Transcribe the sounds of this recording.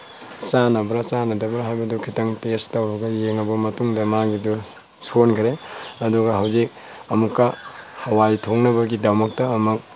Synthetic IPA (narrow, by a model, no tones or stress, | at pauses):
t͡ʃanɐbɾɐsanɐdɐbɾɐɦajbɐdukʰitɐŋtestɐwbɐɡɐjeŋɐbɐmɐtuŋdɐmaɡidu | sonkʰɾeɐduɡɐɦɐwzik̚ | ɐmukːɐhɐwajtʰoŋnɐbɐɡidɐmɐk̚tɐːmɐk̚